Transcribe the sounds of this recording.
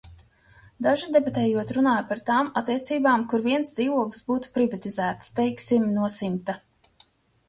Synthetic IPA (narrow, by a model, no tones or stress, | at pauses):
d̪aʒud̪ɛbat̪ɛːjuɔt̪ɾunaːjpaɾt̪aːmat̪ːiɛt̪siːbaːmkuɾviɛnsd̪ziːvuɔksbuːt̪u̥pɾivat̪izæːt̪st̪ɛjksimnuɔsimt̪a